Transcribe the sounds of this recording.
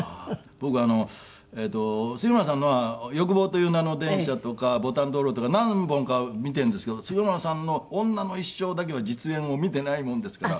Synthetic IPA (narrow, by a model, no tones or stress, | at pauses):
a | b̥o̞kɯano̞ | eːt̪ːo̞sɨkiɾɯmas̬ãnːoβajo̞k̬ɯ̟bo̞ːt̪o̞jɯːnano̞d̪ẽ̞ɕat̪o̞kabo̞t̪ãnd̪oɾo̞ːt̪okanãmbõ̞ŋkamʲit̪eɯ̃nd̪esɨ̥ke̞d̪osɨkɯmasãnːo̞õnːano̞iɕːo̞ːd̪ak̬e̞βad͡ʑit͡sɨẽ̞ɰ̃o̞mʲit̪e̞naimõ̞nd̪e̞sɨ̥kaɾa